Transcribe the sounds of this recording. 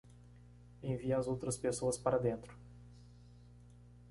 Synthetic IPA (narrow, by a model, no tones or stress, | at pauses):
ẽviɐzowt̪ɾɐspesoɐspaɾɐd̪ẽnt̪ɾʊ̥